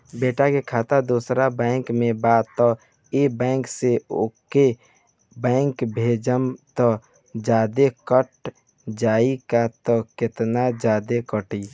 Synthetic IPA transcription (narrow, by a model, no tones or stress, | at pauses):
beːʈakekʰaːt̪ad̪usɾabɛ̃ːŋkmẽbaːt̪ɔ | ebɛ̃ːŋkseoke | bɛ̃ːŋkbʱeːd͡ʒəmt̪ɔ | d͡ʒaːd̪ekəʈ | d͡ʒaːikat̪ɔkɪt̪nad͡ʒaːd̪ekəʈi